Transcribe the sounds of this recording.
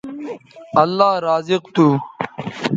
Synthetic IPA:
ɐlːaːɾaːziqt̪uː

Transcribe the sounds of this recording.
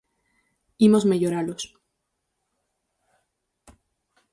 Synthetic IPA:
imo̞zme̞ʝoɾalos

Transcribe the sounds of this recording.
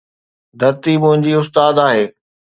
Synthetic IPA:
d̪ʱɐɾt̪imʊ̃ɦɪ̃ɲd͡ʑiːʊst̪aːd̪aːɦeː

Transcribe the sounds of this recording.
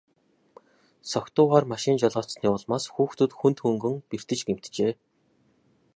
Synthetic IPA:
sɔkt̪ʊːʁaːrmaʃɪ̆nt͡ɕɔɮɔːt͡ssniːʊɮmaːsxuːxt̪ʰɵ̆t̪xunt̪xɵŋɡɵ̆ŋper̥t̪ɘ̆t͡ɕɡem̥t̪t͡ɕeː

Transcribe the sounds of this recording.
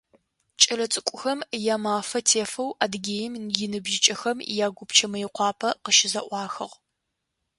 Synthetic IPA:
t͡ʃʼɐlɐt͡sʼɨkʷʼʊxɐmjaːmaːfɐtʰeːfɐwʔaːdɡʲeːjɪmjɪnɨbʒɪt͡ʃʼɐxɐmjaːɡʷʊpt͡ʃʰɐmɐjɪqʷɑːpʰɐqəʃɪzɐʔʷɑːxɨʁ

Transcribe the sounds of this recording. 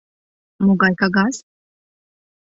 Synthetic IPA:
mɔɡajkaɡas

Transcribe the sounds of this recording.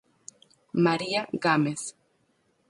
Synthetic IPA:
maɾiaɣameθ

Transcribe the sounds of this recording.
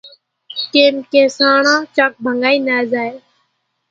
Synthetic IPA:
keːmkeːsaːɳãːt͡ʃaːk̚bʱəŋɡaːiːnaːzaːeː

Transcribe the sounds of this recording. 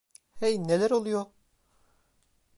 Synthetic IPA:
hɛjnelʲæɾolˠujoɾ

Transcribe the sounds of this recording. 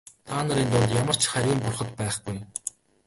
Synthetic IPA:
t̪ʰaːnə̆ɾint̪ʊɮt̪jamə̆r̥t͡ɕχæɾʲiːmpʊrχə̆t̪pæːχɡuj

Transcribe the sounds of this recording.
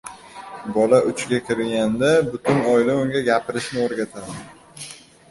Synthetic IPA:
bɒlaʔʊt͡ʃɡʲakʲʰɪɾɡʲand̪abʊt̪ʰʊnɒjlaʊŋɡʲaɡʲapʰɪɾɪʃnɪoɾɡʲat̪ʰad̪ɪ

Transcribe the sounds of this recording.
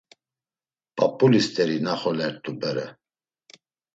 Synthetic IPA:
pʼɔpʼulist̪ʼɛɾinaχɔlɛɾt̪ʼubɛɾɛ

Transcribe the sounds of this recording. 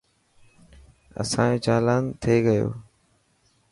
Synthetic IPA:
ə̰sãːẽːt͡ʃaːlaːnt̪ʰeːɡəjo̰ː

